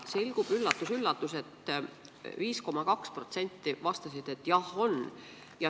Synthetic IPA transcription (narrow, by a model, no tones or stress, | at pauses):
selɡ̥ub̥ylːɑt̪ːˑusylːɑt̪ːˑuset̪ː | viːsko̞mɑkɑkspro̞t̪se̞nʲt̪ːˑivɑst̪ɑsid̪̥e̞t̪ːˑjɑho̞n | jɑ